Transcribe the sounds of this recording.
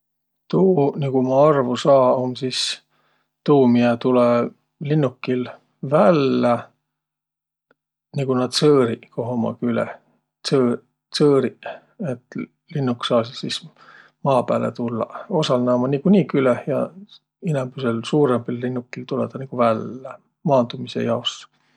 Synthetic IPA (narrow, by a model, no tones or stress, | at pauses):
t̪uːniɡ̥umɑɑrvusɑːomsis | t̪uːmiet̪ule | linːukːil | vælːæ | niɡ̥unɑd̪sɤːɾiko̞ɦomɑ̰kylḛ | sɤ | sɤːɾi | et̪ːˑ | linːuksɑːsilsis | mɑːpæːlḛt̪ulːɑ̰o̞sɑlnɑːmɑnikunʲikylehjɑ̰ | inembyselsuːɾembilːinːukːilt̪uled̪̥ɑniɡ̥uvælːe | mɑːnd̪̥umise̞̰jɑos